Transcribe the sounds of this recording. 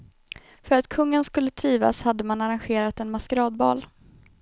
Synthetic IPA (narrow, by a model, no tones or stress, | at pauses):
fœɾat̪kʰɵŋːənskɵlːət̪ʰɾiːva̰shad̪ːəmanaɾanɧeːɾat̪ɛnmaskəɾɑːd̪̚bɑ̰ːl